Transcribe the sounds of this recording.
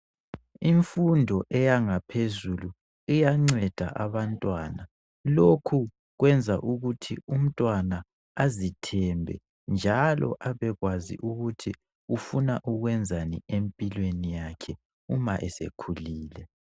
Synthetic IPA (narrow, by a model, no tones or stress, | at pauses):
iɱfundʱɔʔɛjaŋapʰezulu | ijaŋ͡ǀɛd̥ʱa̰ʔaβantʼwana | lokʰu | ɣwɛnd͡zʱaʔuɣutʰḭum̩tʼwana | azitʰɛmbʱɛ̰ | nd͡ʒʱalɔ̰ʔaβɛɣwazḭʔuɣutʰi | ufunaʔuɣwɛnd͡zʱaniempʼilwenijakʰɛ | umaʔɛsḛkʰuliːlɛ